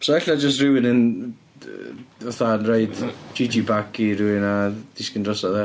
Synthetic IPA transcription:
sɔɛɬad͡ʒəs̬trɪwɪnən | vaθanraɨdd͡ʒɪd͡ʒibakiɾɪwɪnad̥ɪskəndrɔsaðɛ

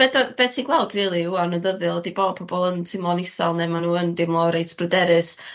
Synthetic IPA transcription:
b̥ɛdab̥ɛtʰiɡwɛlˠdriːlˠiuanəðəðɨlˠdiboːd̚pʰɔbɔlˠəntʰɪmlˠɔnɪsalˠnɛmanuːəndɪmlˠɔɾejsb̥rədɛɾɨs

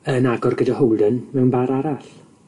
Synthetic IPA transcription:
ənaɡɔrɡədahɔwlˠdənmɛwnbaɾaɾaɬ

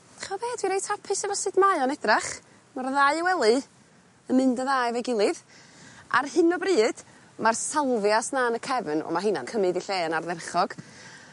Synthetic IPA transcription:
aχɔbeːdwiɾejtʰapʰɨsɛvɔsɨdmaɨɔnɛdraχ | marðajwɛlˠɨ | əmɨndəðaːjvɛɡɪlˠɨð | a̰rhɨnɔbriːd̥ | marsalˠvjasnaːnəkʰɛvnɔ̰maɦɨna̰nkʰəmɨdiɬeːnarðɛrχɔɡ̥

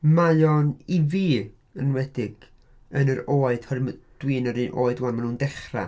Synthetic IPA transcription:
maɨɔniviː | ənwɛdɪɡ̥ | ənəɾoːɨd̥hɔrməd̥wiːnəɾinʔo̰ːɨdwamanuːndɛχra̰

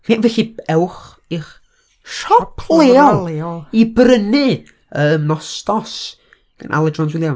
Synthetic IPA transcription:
menvɛɬiɛwχ | iχ | ʃɔpʰlˠeːɔlˠɔibrənɨ | əmnɔstɔs | ɡ̥ə̰nʔa̰lˠɛdrɔnswɪljan

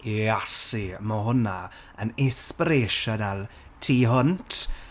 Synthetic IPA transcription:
iasimɔɦʊna | ənɪspɪɾeʃɔnalˠ | tʰiːɦʊntʰ

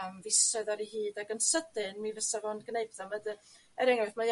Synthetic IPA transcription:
mvɪsəðɔɾihiːdaɡənsədɨnmivəsavɔnɡnejbðɔmədɨ | ɛɾɛŋɛθma

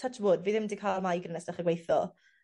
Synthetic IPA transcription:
tʰat͡ʃvoːdviːðɪmdikʰalˠmajɡrɪnɛsd̥aχəɡwejθɔ

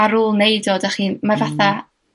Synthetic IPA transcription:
aɾuːlˠnejdoːdaχiːnmavaθa

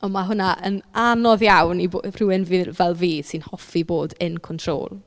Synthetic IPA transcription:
ɔmaɦʊnaʔənanɔðjawnibr̥ɪwɪnvivɛlˠviːsɪnhɔfiboːdənkʰɔntʰr̥o̰ːlˠ

